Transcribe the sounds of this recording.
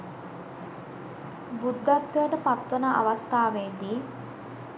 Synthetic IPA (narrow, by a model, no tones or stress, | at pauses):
bud̪ːat̪ːəjəʈəpat̪ːənəʔa̰ʋast̪aːʋed̪iː